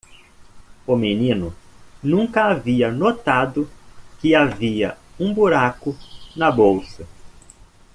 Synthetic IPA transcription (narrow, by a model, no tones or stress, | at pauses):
ʊmenĩnʊnũŋkɐaviɐnot̪ad̪ʊkɪaviɐ̰ | ũbuɾakʊnɐbowsɐ